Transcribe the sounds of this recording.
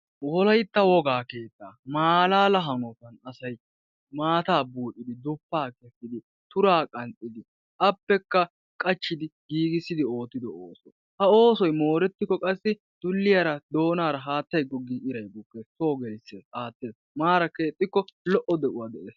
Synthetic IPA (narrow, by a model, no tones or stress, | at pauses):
wɔlɐjt̪ːɐwɔɡaːke̞ːt̪ːaːmaːlaːlɐɦɐŋɔt̪ɐnɐsɐj | maːt̪aːbuːʔɪd̪ɪd̪ʊpːaːkɛsːɪd̪ɪ | t̪ʊɾaːkʼɐnt̪ʼɪd̪ɪ | ʔɐpːɛkːɐ | kʼɐt͡ʃːɪd̪ɪɡiːɡɪsːɪd̪ɪo̞ːt̪ːɪd̪ɔo̰ːsɔj | hɐo̞ːsɔjmo̞ːɾɛt̪ːɪkːɔkʼɐsːɪ | d̪̥ʊlːɪjɐɾɐd̪o̞ːnaːɾɐɦaːt̪ːɐjɡɔɡiːʔɪɾɐjbʊkːesoːɡɛlsːḛʔaːt̪ːeːs | maːɾɐke̞ːt̪ʼːɪkːɔlɔʔɔd̪ɛʔʊwaːd̪ɛʔeːs